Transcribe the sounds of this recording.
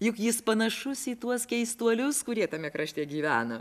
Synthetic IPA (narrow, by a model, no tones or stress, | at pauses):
jʊkjɪspɐnɐʃʊsiːt̪uɔskʲɛɪst̪uɔlʲʊskʊɾʲiɛt̪ɐmʲɛkɾɐʃʲt̪ʲiɛɡʲiːʋʲæ̰ːnɐ